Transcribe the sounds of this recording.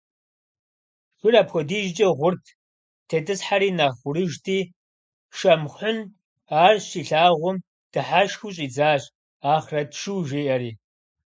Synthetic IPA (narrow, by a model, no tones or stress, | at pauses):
xʷʊraːpxʷɔdiːʒd͡ʒʼɐʁʷʊrtʰ | tʰetʼɨsħaɾiːnaːχʷʊɾɨʒtʰiː | ʃɐmχʷʊn | aːrʃiːɬaːʁʷʊm | d̥ɨħaːʃxuɕʼiːd͡zaːɕ | aːχrɐtʃɨwʒeːʔɐɾiː